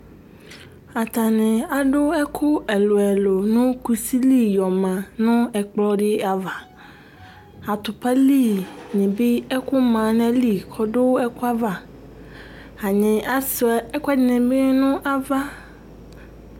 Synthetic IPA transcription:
a˨t̪a˨nɪ̃˨a˨ɖʊ˦ɛ˦kʰʊ˦ɛ˨lo˨ɛ˨lo˨nʊ̃˦ku˨si˦li˦˨jɔ˨mã˨nʊ̃˦ɛ˨k͡plɔ˦ɖɪ˦a˨va˨ | a˨t̪ʊ˨pa˦li˦˨nɪ̃˨bɪ˦ɛ˦kʊ˦mã˨nɛ̃˦li˦˨kʰɔ˨ɖʊ˦ɛ˦kʊ˦a˦va˨ | a˨ɲɪ̃˨ʔa˨sɛ˦kɛ˦nɪ̃˨bɪ˦nʊ̃˦ʔa˨va˦

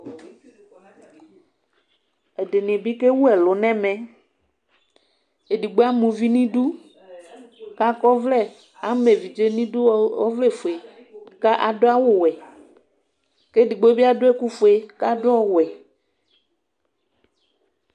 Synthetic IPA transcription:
ɛ˨de˨nɪ̃˨bi˦ke˦wu˦ɛ˨lʊ˨nɛ̃˦mɛ̃˦ | e˨di˨ɡ͡be˦a˦mũ˨vi˦nĩ˦ɖu˦ | ka˦kɔ˦vlɛ˦ | a˨˦me˨vi˨d͡ʒe˦nĩ˦du˦ɔ˦vle˦˨fo˨e˨ | ka˦ʔa˨dʊ˦a˦wʊ˦wɛ˨ | ke˦di˨ɡ͡bo˦bi˦a˦dʊ˦ɛ˦ku˦fo˨e˨ka˦dʊ˦ɔ˦wɛ˨

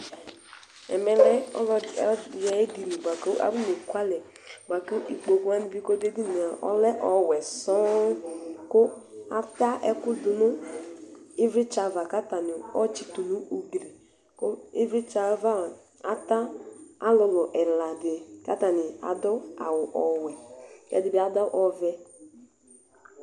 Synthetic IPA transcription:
ɛ̰˨mɛ˦lɛ˦ɔ̰˦lɔ˦˨jɛ˨˦di˨ni˨ba˨ko˦ʔa̰˦bu˦ne˨kʷa˦lɛ˨ | ɡ͡ba˨ko˦ʔi˨k͡po˨ku˦a˦ni˨bi˦ko˦de˦di˦ni˨a˨ʔɔ̰˦lɛ˦ʔɔ˨wɛ˨sɔ˦ | ko˦a˦ta˦ʔɛ˦ku˦du˨nu˦ | i˦vɾi˦t͡ʃa˨va˨ka˦ta˨nɪ˨ɔ˦t͡ʃi˨tu˨nu˦u˨ɡɾi˨ | kʊ˦i˦vɾi˦t͡ʃa˦va˦˨ | a˦ta˦a˦lɔ˨nɔ˨ʔɛ˨la˨dɪ˨ka̰˦ta˨nɪ˨a̰˨dɔ˦a̰˨wʊ˨ʔɔ˨wɛ˨ɛ̰˨dɪ˨bi˨˦a˨dɔ˦ʔɔ˨vɛ˦

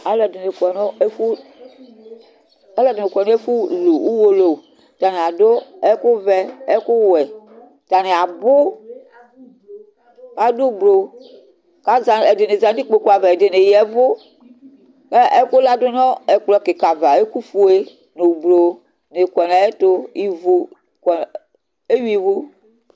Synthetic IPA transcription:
a˦lɛ˨de˨ne˨kʷɛ˨nɔ˦e˦fu˦ | ɛ˦lɔ˦˨de˨ne˨kʷɛ˨nɔ̃˦e˦fu˦lo˨u˦wo˦lo˨ | ta˨ne˨a˨do˦ɛ˦ku˦vɛ˦ɛ˦ku˦wɛ˨ | ta˨ne˨a˨bo˦ | ka˦do˦˨blo˨ | ka˦za˨e˨de˨ne˨za˨˦di˦k͡po˨ku˦a˨vɛ˨e˨de˨ne˨jɛ˨vo˦ | ke˦ʔe˦ko˦la˦do˦nɔ̃˦e˨k͡plɔ˨ke˨ka˨va˨e˦ku˦fu˦e˦ | ne˨blo˨ | ne˨kɔ˨na˨e˦t̪o˦i˨vo˦ | kɔ˨ | e˦wi˦˨vo˦

